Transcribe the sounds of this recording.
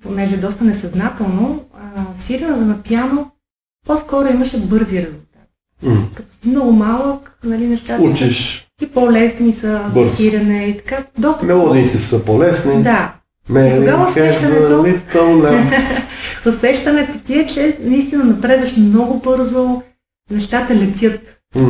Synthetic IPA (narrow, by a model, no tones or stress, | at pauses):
ponɛʒɛd̪ɔst̪ɐnɛsɐznat̪ɛlˠno | siɾʲɐnɛzɐnɐpjano | poskɔɾoimɐʃɛbɤɾziɾɛzulˠt̪at̪ | kɐt̪ɔ̥simnɔɡʊmalˠəknɐlinɛʃt̪at̪ut͡ʃiʃ | ipɔlɛsnisəzbəɾiɾʲɐnɛit̪ɐ̥kad̪ɔst̪mɛlˠɔd̪iːt̪ɛsəpolɛsnid̪a | mɛt̪oɡavɐsɛʃtzɐɛnit̪əlnɛ | osɛʃt̪ɐnɛt̪ɛt̪iɛt͡ʃɛnɐist̪inɐnɐpɾɛd̪vɐʃmnɔɡʊbɤɾzo | nɛʃt̪at̪əlɛt̪ʲjɤt̪